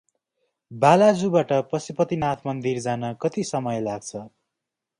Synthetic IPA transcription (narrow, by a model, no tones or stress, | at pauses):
balad͡zubaʈʌprʌsipʌt̪inat̪ʰmʌnd̪ird͡zanʌkʌt̪isʌmʌjlaɡ̚t͡sʰʌ